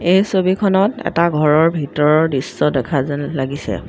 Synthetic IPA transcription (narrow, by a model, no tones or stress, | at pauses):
ejsobikʰɔnɔtɛ̰taɡʱɔɹɔɹbʱitɔɹɔɹdisːɔdɛkʰazɛnlaɡisɛ̰